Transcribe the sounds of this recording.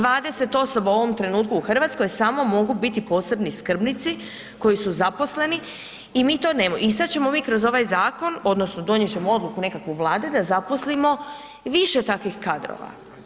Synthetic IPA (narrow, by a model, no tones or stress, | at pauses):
ʋaːd̪ese̞t̪o̞so̞bauo̞ʋo̞mt̪ɾe̞nuːt̪kuuxr̩ʋat̪sko̞jsaːmo̞mo̞ɡubit̪ipo̞ːse̞bniskr̩bnit̪si | ko̞jisuzapo̞sle̞ni | imiːt̪o̞ːnemoisat̪t͡ɕe̞mo̞miːkɾo̞zo̞ʋajzaːko̞no̞d̪no̞snod̪o̞ɲje̞t͡ɕe̞moo̞d̪lukune̞kakʋuʋlˠaːd̪ed̪azapo̞slimo̞ | ʋiʃe̞t̪akʋixkad̪ɾo̰ːʋa̰